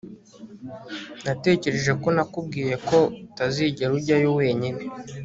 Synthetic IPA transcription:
nate̞ːce̞ɾe̞ʒe̞ko̞nakub̚ɡiːje̞ko̞utaziːɟe̞ɾuɾɟajowe̞ːɲine

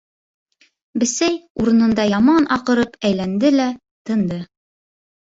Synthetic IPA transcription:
bɘ̆sæjuɾɤ̆nɤ̆nd̪ɑjɑmɑnʔɑqɤ̆ɾɤpæjlænd̪ɘlæ | t̪ɤ̆nd̪ɤ

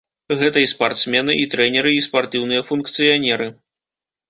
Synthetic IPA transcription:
ɣɛt̪ɐispart̪smʲɛnɨʔit̪ɾɛnʲɛɾɨispart̪ɨwnɨjɐfunkt̪sɨjanʲɛɾɨ

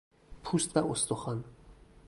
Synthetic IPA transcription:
pʰust̪vaost̪oχan

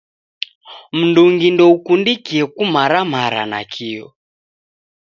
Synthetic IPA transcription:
m̩nduŋɡindɔukundikiɛkumaɾamaɾa̰na̰kʰiɔ̰

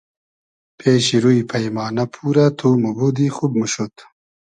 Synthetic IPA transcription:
pʰeːɕiɾuipʰɐjmɑːnɐpʰuːɾat̪ʰumubud̪ixub̚muɕut̪

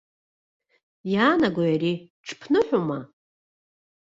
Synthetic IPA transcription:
jaːnaɡʷajaɾi | ʈ͡ʂʰpʰnɨħʷᶣoma

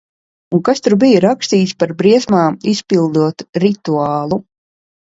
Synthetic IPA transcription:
uŋkast̪uɾbijɾakst̪iːt̪spaɾbɾiɛsmaːmispilˠd̪uɔt̪ɾit̪uaːlˠu

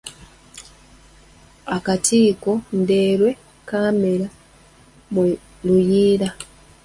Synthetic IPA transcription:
akatiːkondeːɾwe̞ | kameɾa | m | lujiːɾa

